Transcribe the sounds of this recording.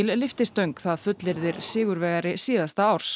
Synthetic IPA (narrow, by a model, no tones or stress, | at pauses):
ɪllɪft̪ɪst̪œɥŋkθaðfʏt̪lɪɾðɪɾsɪːɣʏɾvɛːɣaɾɪsiːðast̪aaːwɾ̥s